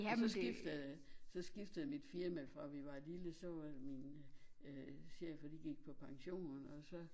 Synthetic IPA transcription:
sɒsɡ̥ifd̥əð̩ˠsɒ̽sɡ̥ifd̥əð̩ˠæmid̥fiɐmæfʁɑʋiʋɑ̈liləsɒ̽ʋɑdmin | seɐ̰jəfɒd̥iɡ̥iɡ̥̚pʰɒ̽pʰɑ̈ŋɕo̝̰ːnn̩ɒ̽sɒ̽

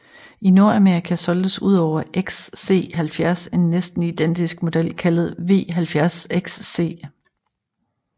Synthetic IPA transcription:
ino̝ɐæme̝ɐʁikʰæsɒ̽ld̥əsuð̞̰ˠɒʊ̰ɐʔeɡ̥sːe̝̰ːɦælfjæɐse̝nːesd̥n̩id̥en̰d̥isɡ̥mo̝d̥el̰kʰælð̞̩ˠʋe̝̰ːɦælfjæɐseɡ̥sːe̝̰ː

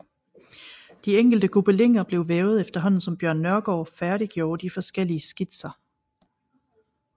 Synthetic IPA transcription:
d̥ieŋ̰ɡ̥l̩d̥əkʰub̥əle̝ŋ̰ɐb̥le̝ʊʋeːʊð̞̩ˠefd̥ɐɦɒ̽n̰n̩sɒ̽mb̥jɶɐnːɶɐɡ̥ɒ̰ːfæɐɾiɡ̥jo̝ːɐd̥ifɒ̽sɡ̥el̰iəsɡ̥id̥sɐ

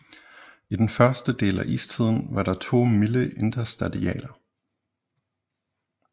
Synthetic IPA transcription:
id̥enfɶɐsd̥əd̥e̝̰ːlæ̰ʔḭːst͡sʰið̞̰ˠn̩ʋɑ̈ɾ̥ɑ̈t͡sʰo̝̰ːmiləʔe̝nd̥ɐsd̥æð̥ˠiɛ̰ːlɐ

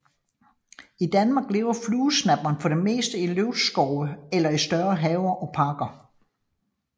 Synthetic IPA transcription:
id̥ænmɑ̈ːɡ̥le̝ːʊɐfluːsnæb̥ɐnfɒ̽d̥e̝me̝̰ːsd̥əiløʊd̥sɡ̥ɒʊəelɐisd̥ɶɐɦɛːʊɐʔɒ̽pʰɑ̈ɡ̥ɐ

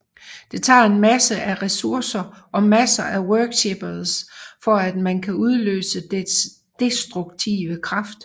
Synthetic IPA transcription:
d̥e̝t͡sʰɑ̰̈ːe̝nmæsəʔæʁɛsuɐ̰sɐʔɒ̽mæsɐʔæwœɐɡ̥ɕeb̥ɐð̩ˠsfɒ̽æd̥mænkʰæuð̞ˠlø̰ːsəd̥es | d̥e̝sd̥ʁuɡ̥t͡sʰḭːʋəkʰʁɑ̈fd̥

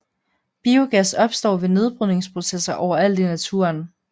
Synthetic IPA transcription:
b̥io̝ɡ̥æsɒ̽b̥sd̥ɒ̰ːʋe̝ne̝ð̞ˠb̥ʁœne̝ŋspʰʁo̝sesɐʔɒʊɐæl̰d̥inæt͡sʰṵɐn

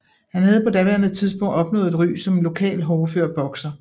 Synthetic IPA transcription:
hænhæð̞̩ˠpʰɒ̽d̥æʋḛɐnð̩ˠt͡sʰiðˠsb̥ɔ̽ŋ̰d̥ɒ̽b̥nɔ̰̽ːð̩ˠed̥ʁy̰ːsɒ̽mnlo̝kʰɛ̰ːlɦɒːføɐ̰b̥ɒ̽ɡ̥sɐ

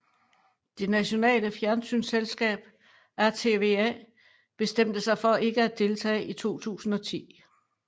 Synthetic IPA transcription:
d̥e̝næɕo̝nɛ̰ːləfjæɐnsy̰nselsɡ̥ɛ̰ːb̥ | æɐt͡sʰe̝ʋeɛ̰ | b̥e̝sd̥em̰d̥əsɑ̈ɪfɒ̽ʔe̝ɡ̥əæd̥e̝lt͡sʰɛ̰ːʔit͡sʰo̝̰ːt͡sʰṵːsn̩ɒ̽t͡sʰḭː

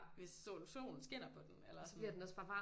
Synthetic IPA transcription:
ʋe̝sːo̰luso̝̰ːnn̩sɡ̥en̰ɐpʰɒ̽d̥enelɐssɒ̽b̥liɐ̰d̥enɒ̽sfɑ̈ʋɑ̈

